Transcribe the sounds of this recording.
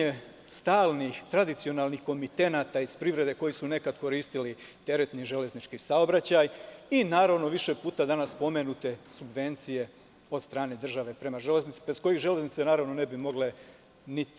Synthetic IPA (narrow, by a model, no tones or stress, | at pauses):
e | st̪aːlˠnixt̪ɾad̪it̪sio̞naːlnixko̞mit̪e̞naːt̪aiz̥pɾiʋɾe̞d̪e̞ko̞jisune̞kad̪ko̞ɾiːst̪ilit̪e̞ɾe̞t̪niʒe̞le̞znit͡ʃkisaobɾat͡ɕajinaːɾaʋno̞ʋiʃe̞puːt̪ad̪anaspo̞me̞nut̪e̞subʋe̞nt̪sije̞ | o̞d̪st̪ɾaːne̞d̪r̩ʒaʋe̞pɾe̞maʒe̞le̞znit̪si̥besko̞jiɣʒe̞le̞znit̪senaːɾaʋno̞ne̞bimo̞ɡle̞ | nit̪i̥